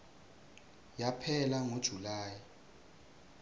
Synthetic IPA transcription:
japʰɛlaŋod̥ʒ̥ʱulaːji

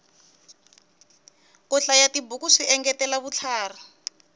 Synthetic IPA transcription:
kɔɬajatibukuʂiɛŋɡɛtɛlaβut͡ɬʰaːra

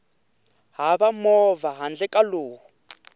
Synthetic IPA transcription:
ɦaβamɔvaɦand͡ɮɛkaloːɦu

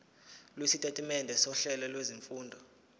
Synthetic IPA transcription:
lwesitʼetʼimɛndʱɛsɔɬɛlɛlweziɱfuːndʱɔ

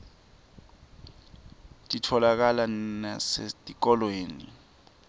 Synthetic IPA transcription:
tʼitʰɔlak̬alanasetʼik̬ɔlweːni

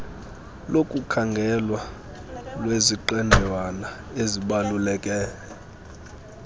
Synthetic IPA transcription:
lokʼukʰaŋɡʱɛlwa | lweziǃɛndʱɛwana | eziɓalulɛkʼɛːɛ

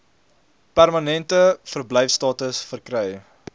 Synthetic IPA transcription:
pærmɐnɛntəfərblɛjfstɑːtəsfərkɾɛj

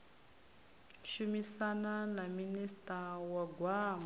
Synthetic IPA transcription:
ʃumisananaministʼawaɡʱwaːm

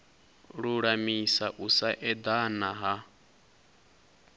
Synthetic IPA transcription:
ɺuɺamisaʔusaʔɛd̪anaɦa

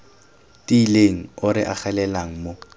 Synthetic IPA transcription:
tileŋ̩ʊɾɪʔa̰χɛlɛlaŋ̩mo

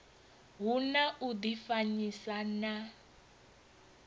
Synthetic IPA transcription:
ɦunaʔudifaɲisana

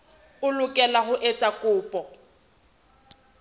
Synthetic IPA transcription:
ʊlʊkʼɛlaɦʊʔet͡sʼakʼʊːpʼɔ

